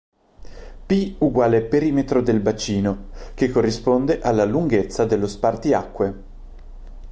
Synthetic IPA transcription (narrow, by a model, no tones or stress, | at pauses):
piuɡwaːlepeɾiːmet̪ɾod̪elbat͡ʃiːnok̟ekːorːispond̪eʔalːaluŋɡet̪sːad̪elːospart̪iakːwe